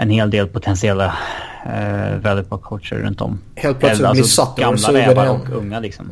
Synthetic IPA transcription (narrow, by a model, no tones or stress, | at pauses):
ʔɛnheːld̪eːlpʰʊt̪ʰɛnsɪɛlːa | vɛlɪt̪pɔkʰotʂə̰ɾːɵ̰nt̪ɔ̰m | heːlt̪̚plalssat̪ːɡamlavɛaɾɔkʰɵŋːalɪksɔ̰m